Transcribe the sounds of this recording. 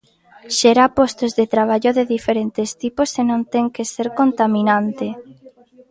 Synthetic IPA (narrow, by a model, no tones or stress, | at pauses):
ʃɛɾapost̪ozðet̪ɾaβ̞aʎoðeðifeɾent̪est̪iposːenõnt̪eŋkeseɾkont̪aminãnt̪e